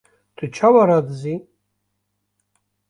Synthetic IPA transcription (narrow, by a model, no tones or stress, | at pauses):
d̪̥ɨt͡ʃʰawaɾadzi